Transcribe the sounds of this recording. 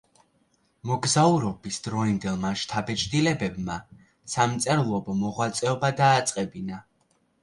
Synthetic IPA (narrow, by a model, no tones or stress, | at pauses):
mɔɡzauɾɔbisd̪ɾɔind̪ɛlˠmaʃt̪ʰabɛt͡ʃʰʼd̪ilɛbɛbma | samt̪sʼɛɾlˠɔbɔmɔʁwat̪sʼɛɔbad̪aːt̪sʼqʼɛbina